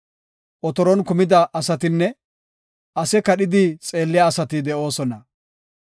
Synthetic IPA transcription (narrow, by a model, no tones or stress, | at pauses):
ʔɔt̪ɔɾɔnkʊmɪd̪ɐʔɐsɐt̪ɪnːɛ | ʔɐsɛkɐɗɪd̪ɪt͡sʼe̞ːlːɪjaːsɐt̪ɪd̪ɛʔo̞ːsɔnɐ